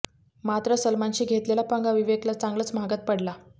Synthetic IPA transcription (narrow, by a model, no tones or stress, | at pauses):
mat̪ɾəsəlmant͡ɕiːɡʱet̪lelapəŋɡaʋiʋeklat͡sãŋɡlət͡sm̤aɡət̪̚pəɽla